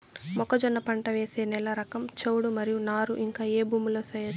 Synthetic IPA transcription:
mɔkɐd͡ʒɔnːɐpɐɳʈɐʋeːseːnɛlɐɾɐkɐmt͡ʃewɽumɐɾijunaːɾuʔiŋkaːeːbuːmulo̞ːsɐjɐ

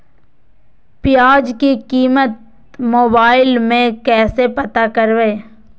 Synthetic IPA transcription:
pɪjaːd͡ʒkikiːmət̪̚ | moːbaːɪlmẽkɛːsepɐt̪akəɾʋeː

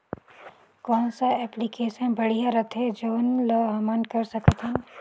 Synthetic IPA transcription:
kɔːnsaɛːplikeːʃənbɐɽ̤ijaɾɐt̪ʰẽd͡ʒoːnloːɦɐmankɐɾsɐkət̪ɦɛ̃n

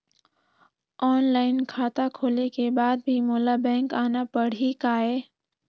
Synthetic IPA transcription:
ɔːnlaːɪnkʰaːt̪akʰoːlekebaːd̪̚bʱimoːlabɛ̃ːŋkaːnapəɽ̤ikaːɦeː

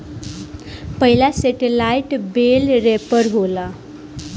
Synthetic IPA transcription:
pəɦilaseʈelajʈbelɾepəɾɦola

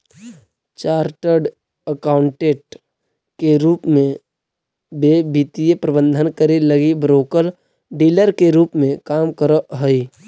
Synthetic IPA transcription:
t͡ʃaːɾʈəɾɖ | əkaːʊɳʈeːʈ̚ | keɾuːpmẽ | bebit̪ijepɾəbə̃nd̪ʱənkəɾeləɡibɾoːkəl | ɖiːləɾkeɾuːpmẽkaːmkəɾəɦəi

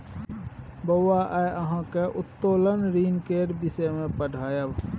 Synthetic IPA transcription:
bəwaʔaəɦãkeʔʊt̪ːoːlənɾiːnkeːɖbɪsəmẽpəɖʱaːjəb

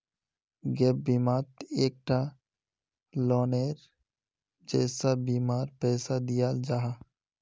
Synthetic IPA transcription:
ɡɛːp̚biːmaːt̪eːk̚ʈʰa | lɔːneːɾ | d͡ʒɛːsabiːmaːɾpɛːsad̪ijaːld͡ʒaːɦa

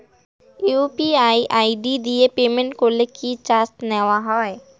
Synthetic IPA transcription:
juːpiaːiʔaːiɖid̪iepeːmẽɳʈkolekit͡ʃaːst̪nɛʋaɦɔːe

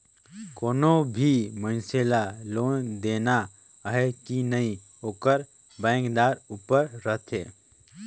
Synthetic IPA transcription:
koːnobʱimə̃nseːlaloːnd̪eːna | ɦɛkinəĩ | oːkəɾ | bɛ̃ːŋkd̪aːɾuːpəɾːət̪ʰeː

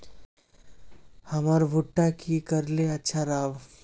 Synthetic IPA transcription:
hɐmaɾbʱʊʈːakikɐɾleɐtːʃʰaɾaːʋ

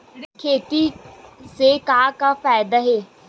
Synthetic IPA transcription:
kʰeːt̪iːseːkaːkaːfaːɪd̪aɦeː

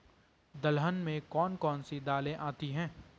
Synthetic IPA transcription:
d̪ɐlɦənmẽkɔːnkɔːnsid̪aːlẽʔaːt̪iɦɛ̃ː

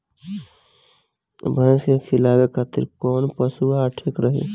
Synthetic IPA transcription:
bʱə̃skekʰɪlaːwekʰat̪ɪ̰ɾkɔːnpəsuaːʈʰɪkɾəɦḛ

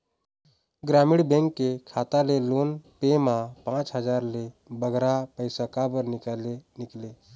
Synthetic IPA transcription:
ɡɾamiɽbẽŋkːekʰat̪alelonpemapãt͡ʃɦəd͡ʒaːɾle | bəɡɾapəɪsəkabəɾnɪkalenɪkle

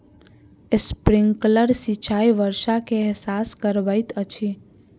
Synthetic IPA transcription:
espɾɪŋɡkləɾsit͡ʃʰaiʋəɾʃakeɛɦsaskəɾbajt̪ət͡ʃʰi

